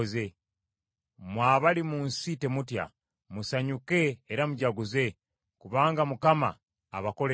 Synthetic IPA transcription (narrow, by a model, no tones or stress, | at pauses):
ze̞ | mwaːβalimunsite̞mutja̰ | musaɲuke̞ːɾamuɟaɡuze̞ | kuβaːŋɡamukama̰ː | βako̞le